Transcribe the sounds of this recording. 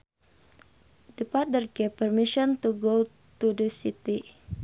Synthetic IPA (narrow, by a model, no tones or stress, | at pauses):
dəpat̪̚dərɡepərmiʃɔnt̪uɡo | t̪udəsit̪i